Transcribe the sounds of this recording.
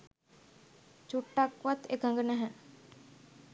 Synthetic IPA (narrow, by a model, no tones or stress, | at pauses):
t͡ʃuʈːakʋat̪ekaŋɡənɛɦɛ